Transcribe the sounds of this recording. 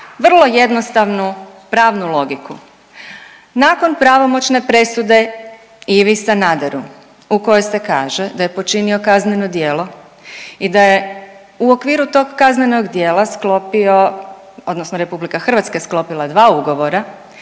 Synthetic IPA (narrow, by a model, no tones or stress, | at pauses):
ʋr̩lˠo̞je̞d̪nost̪aʋnupɾaːʋnulˠo̞ɡiku | naːko̞npɾaʋo̞mo̞t͡ʃne̞pɾe̞sud̪e̞ | iʋisanad̪eɾu | uko̞jojse̞ka̰ːʒe̞d̪aje̞po̞t͡ʃinio̞kazneno̞d̪je̞ːlˠo̞ | id̪aje̞ | uo̞kʋiːɾut̪o̞ɡːazneno̞ɡd̪jeːlˠasklopio | o̞d̪nosnoɾe̞publikaxr̩ʋat̪skesklˠo̞pilˠad̪ʋaːuɡo̞ʋo̞ɾa